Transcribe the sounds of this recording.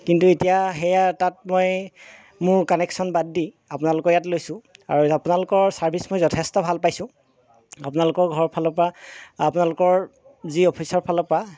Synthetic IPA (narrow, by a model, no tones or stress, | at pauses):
kintuetijaxɛjatat̚moj | mʊɹkɔnɛksɔnbadːi | apʊnalʊkɔɹjatlojsʊ̃a̰ɹuapʊnalʊkɔɹsaɹbʱismojzɔtʰɛstɔbʱalpajsʊ̃ | apʊnalʊkɔɹɡʱɔɹpʰalɔpaapʊnalʊkɔɹ | ziɔpʰisɔɹpʰalɔpa